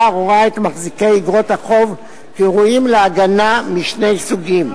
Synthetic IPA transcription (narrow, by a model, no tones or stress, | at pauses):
ʁoʁaet̪maχzikejiɡʁo̞thaχo̞v | kiʁuimleaɡanamiʃne̞jsuɡim